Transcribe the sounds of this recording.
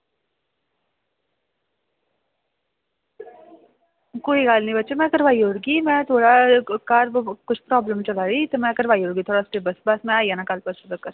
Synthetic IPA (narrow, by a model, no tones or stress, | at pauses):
koːiɡaːlnɐɦĩbɐtːʃemɛ̃kɐɾʋaːiɦoːɾɡimɛ̃t̪ʰoːɽakaːɾkʊt͡ʃʰpɾɔːbləmt͡ʃɐlaːɾit̪omɛ̃kɐɾʋaːiɦoːɾɡit̪ʰoːɽasʈeːbɐsbasmɛ̃aːijanakaːlpɐsʊd̪əkɐɾ